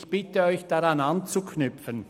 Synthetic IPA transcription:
çb̥ɪtəɔʏçd̥aʁanant͡sukʰnʏpfən

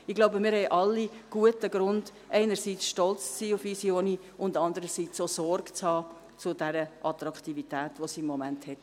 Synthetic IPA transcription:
ɪɡloʊbəmɪːɾhɛɪʔɑlːiɡ̥uətəɡɾʊnd | ʔɛɪnərsiːt͡sʃtɔlt͡ssiːʊfisioːni | ʊndɑnd̪əɾəsiːt͡soːsɔrɡt͡shɑː | t͡sʊdɛɾəʔɑt̪ɾɑkχtivitæːtʋosiɪmːɔmænthɛt

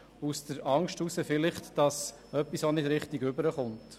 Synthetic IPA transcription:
usd̥̪əɾɑŋʃtusəfɪlɪχtd̥ɑs | œpːisonɪdɾɪχtiɡʏbəɾəχʊnt

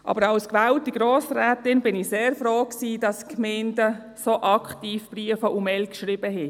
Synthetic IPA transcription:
ʔɑ̰ːbəɾɑwskʋæltːiɡ̥ɾoːsɾɛːtɪnbɪniseːɾfroːksiːdɑskmeɪndə | soʔɑkχtiːfb̥riəfəʔumɛlkʃrib̥əɦɛ

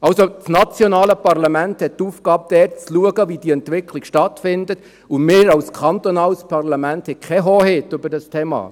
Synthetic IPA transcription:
ɑlsot͡snɑt͡sjonɑːləpɑrlɑmænthɛttuːfɡɑːb̚d̥ɛːt͡sluəɡəʋid̥iɛnt̪ʋɪkʰlikʃtɑtfɪndət | ʊmɪːɾɑʊskʰɑnt̪onɑːlspʰɑrlɑmænthɛkʰɛɦoːɦɪt̪ʏbəɾdɑstʰeːmɑ̰ː

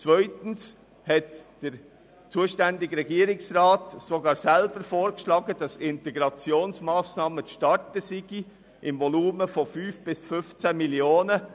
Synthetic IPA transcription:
t͡svœʏtn̩s | hɛtd̥əɾ | t͡suːəʃtændɪɡɾɛɡiəɾɪksrɑːtsoɡɑːɾsælb̥əɾfoːɾkʃlɑːɡədɑsɪntɛɡɾɑt͡sjoːnsmɑːsnɑːməʃtɑɹtəsiɡ̥i | ʔɪmvɔluːməfɔfyːfb̥ɪsfʏft͡sæmiljoːnə

